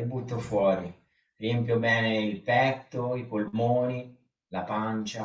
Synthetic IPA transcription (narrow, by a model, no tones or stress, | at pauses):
but̪ːofwɔːɾi | riɛmpjobɛːneilpɛt̪ːoipolmoːni | lapant͡ʃa